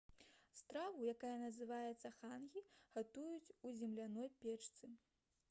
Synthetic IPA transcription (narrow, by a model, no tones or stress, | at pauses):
st̪ɾavujakajɐnɐzɨvajɛt̪sːɐxanɣʲiɣat̪ujut͡sʲuzʲɛmlʲanɔjpʲɛt͡ʂt̪sɨ